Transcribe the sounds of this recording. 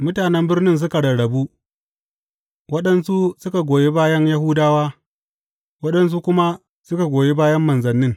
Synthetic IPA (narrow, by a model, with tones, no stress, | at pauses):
mʊ˦taː˨nɛ˦mbɪ˦rnɪ˦ns̬ʊ˦ka˨ɽɐ˨ɽɐ˨bu˦ | wɐ˦ɗɐ˦nsu˦sʊ˦ka˨ɡʷoː˨je˦baː˦jɐ˦nja˦hʊ˦daː˦waː˦ | wɐ˦ɗɐ˦ns̬u˦kʷʊ˦ma˦ | sʊ˦ka˨ɡʷoː˨je˦baː˦jɐ˦mːɐ˨nzɐ˨nːɪ˦ŋ